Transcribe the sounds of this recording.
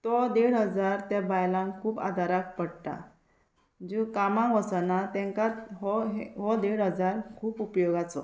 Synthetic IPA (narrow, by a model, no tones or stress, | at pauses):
t̪ɔd̪eɽɦəd͡zaɾt̪ɛbajlãŋkʰuːpa̰d̪ʱaɾak̚pəɽʈ̪a̰ | d͡ʑũkamãʋəsənat̪ɛ̃ŋkat̪ɦɔɦɦɔd̪eɽɦəd͡zaɾkʰuːpupjɔɡat͡sɔ̰